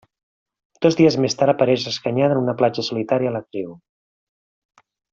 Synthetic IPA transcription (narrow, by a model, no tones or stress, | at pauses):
d̪̥ɔzðiəzmest̪aɾəpəɾɛʃəskəɲaðənunəplad͡ʒəsulit̪aɾiəːlək̪ɾiw